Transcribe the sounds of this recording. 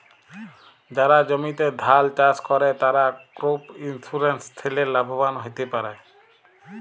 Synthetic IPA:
d͡ʑaɾad͡ʑomit̪ed̪ʱalt͡ɕaskɔɾet̪aɾakɾopinsuɾenst̪ʰileɾlabʱobanɦojt̪epaɾe

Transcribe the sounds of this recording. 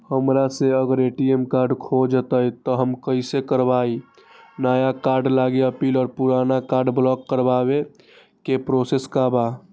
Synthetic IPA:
həmɾaseəɡəɾeʈiemkaɾɖkʰod͡ʒət̪əjt̪ɔɦəmkəɪsekəɾbai | naːjakaɾɖlaɡeəpiːlɔːɾpuɾanakaɾɖblɔkːəɾbabe | kepɾoseskaba

